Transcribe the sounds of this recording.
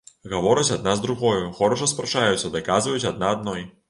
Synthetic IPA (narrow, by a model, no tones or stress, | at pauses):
ɣavɔɾɨt͡sʲad̪̚nazd̪ɾuɣɔjuxɔɾɔʂ̬ɐspɾɐt͡ʂajut̪sɐd̪ɨkazvɐjut͡sʲad̪̚naːd̪̚nɔj